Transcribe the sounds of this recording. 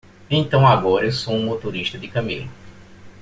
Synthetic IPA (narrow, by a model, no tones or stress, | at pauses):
ẽnt̪ɐ̃w̃aɡɔɾɐewsoũmot̪oɾiʃt̪ɐd̪ɪkɐ̃mḛlʊ